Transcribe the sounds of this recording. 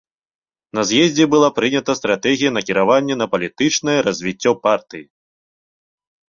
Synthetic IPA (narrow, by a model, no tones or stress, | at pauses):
nɐzʲjɛzʲd͡zʲɛbɨlˠapɾɨnʲɐt̪ɐst̪ɾat̪ɛɣʲijɐnɐkʲiɾavanʲːɛn̪ɐpɐlʲit̪ɨt͡ʂnɐjɛɾɐzʲvʲit͡sʲːɔpart̪ɨji